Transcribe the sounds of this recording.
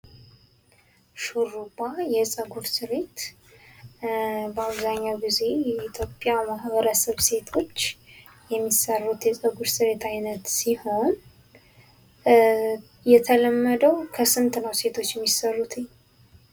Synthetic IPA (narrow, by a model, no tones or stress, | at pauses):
ʃuɾubajɛsʼəɡuɾsɨɾe̞t̪ | bəaβzaɲːawɡize̞jɛit̪ʰjopʼːjamahβəɾəsəβse̞t̪ʰo̞t͡ʃː | jɛmːisərːut̪jɛsʼəɡuɾsɨɾe̞t̪ʰajnət̪siho̞n | jɛt̪ʰələmːəd̪əwkʰəsɨnt̪ʼnəwse̞t̪ʰo̞t͡ʃːjɛmːisərːut̪ʰɪɲː